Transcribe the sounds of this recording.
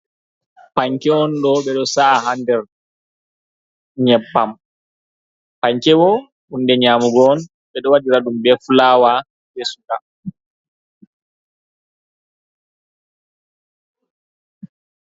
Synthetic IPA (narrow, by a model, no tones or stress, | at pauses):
paɲkɛɔnɗɔɓɛɗɔsaːhandɛɾ | ɲɛpːam | paɲkɛwɔ | undɛɲaːmuɡɔn | ɓɛɗɔwadiɾaɗumbɛfulaːwa | bɛsuka